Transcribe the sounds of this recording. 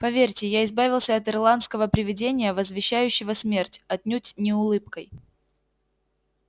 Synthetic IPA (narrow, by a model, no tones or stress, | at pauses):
pɐvʲerʲtʲɪjaɪzbavʲɪlˠsʲəɐt̪ɨrlˠant̪skəvəpɾʲɪvʲɪdʲenʲɪjəvəzvʲɪɕːæjʉɕːɪvəsmʲe̞rtʲɐt̪̚ʲnʲutʲnʲɪʊlˠɨpkəj